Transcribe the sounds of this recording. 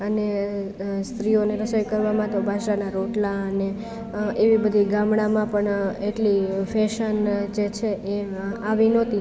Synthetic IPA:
əne | st̪ɾioneɾəsəjkəɾʋamãt̪obʱãʃɾanaɾoʈlaəne | eʋibəd̪ʱiɡamɽãmãpəɳeʈlifʰɛʃənd͡ʒet͡ʃʰeʔeaʋinɔt̪i

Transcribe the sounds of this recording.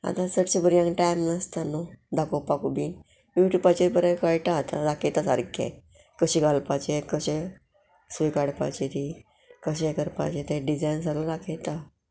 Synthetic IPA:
a̰t̪ãsəʈsebəɾijãŋkʈajmnast̪anod̪akopakubin | ʋiʈupat͡ɕeɾpəɾẽkajʈat̪a̰ɾakʰet̪asaɾkʰḛ | kəɕiɡalpat͡ɕekəɕɛ | sikaɽpa̰t͡ɕet̪i | kəɕɛ̃kəɾpa̰t͡ɕet̪eɖid͡zajns̬aɾoɾakʰet̪a

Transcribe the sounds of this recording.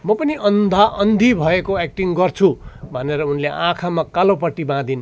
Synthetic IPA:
mʌpʌniʌnd̪ʱaʔʌnd̪ʱibʱʌekoek̚ʈiŋɡʌrt͡sʰubʱʌneɾʌunleʔãkʰamakalopʌʈːibãd̪in

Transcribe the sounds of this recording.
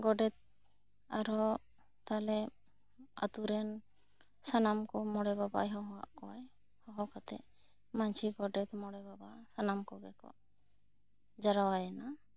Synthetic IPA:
ɡɔɖɛt̪̚ | a̰ɾɔ | t̪alɛ | a̰t̪uɾɛn | sanamkɔmɔɽɛbaba̰jɦɔ̃ɦɔwa̰ʔkɔwaj | hɔ̃ɦɔkat̪ɛ̰ʔ | maɲt͡ʃʰiɡɔɖɛt̪mɔɽɛbabasanamkɔɡɛkɔ̰ʔ | d͡ʒaɾawajɛna

